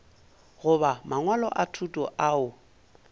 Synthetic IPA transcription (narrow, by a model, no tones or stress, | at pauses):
ɣʊβamaŋwalɔ̰ʔatʰutʼɔʔaʊ